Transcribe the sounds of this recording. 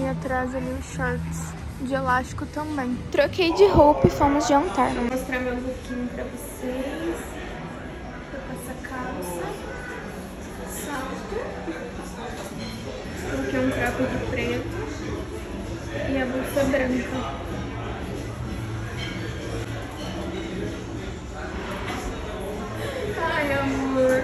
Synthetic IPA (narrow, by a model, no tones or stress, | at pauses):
mĩat̪ɾazɐmĩʊʃɔɾt͡ʃs | d͡ʒɪelast͡ʃɪ̥kʊt̪ɐ̃bẽj̃t̪ɾokejd͡ʒɪɦowpɐɪfomʊzd͡ʒɪɐ̃nt̪aɾvõw̃most̪ɾaɾmẽũpokĩɲʊpɾɐvoses | t̪okɛsɐkʰawzɐ | sat̪ʊ | poɾkɛũt̪ɾat̪ʊd͡ʒɪfɾet̪ʊ | ɪɛbokad̪ɾɐ̃nt̪ɐ | ajɐɐmo